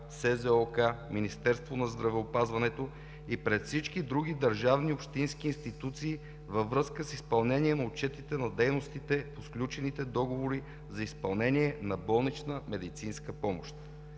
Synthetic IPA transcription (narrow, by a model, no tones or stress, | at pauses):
sɛzɛɔkaminist̪ɛɾst̪vonɐzd̪ɾɐvɛopazvɐnɛt̪o | ipɾɛt̪fsit͡ʃk̟id̪ɾuɡ̟id̪əɾʒavniopʃt̪insk̟iːnst̪it̪ut̪siː | vəvɾɤskəsispɐlˠnɛniɛnɐot͡ʃɛt̪it̪ɛnɐd̪ɛjnost̪it̪ɛposklʲut͡ʃɛnit̪ɛd̪ɔɡovoɾi | zɐispɐlˠnɛniɛnɐbɔlˠnit͡ʃnəmɛd̪it̪sinskəpɔmo̰ʃt̪̚